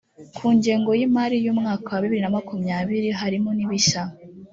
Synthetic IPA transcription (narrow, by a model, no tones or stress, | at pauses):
kʰuːɲɟe̞ːŋɡo̞jimaɾijuːmŋaːkawaβiβiɾinamakumɲaːβiɾiɦaɾimoniβiʃa